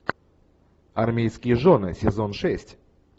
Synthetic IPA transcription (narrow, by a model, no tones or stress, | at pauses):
ɐrmʲejskʲɪjəʐonɨsʲɪzonʂɛsʲtʲ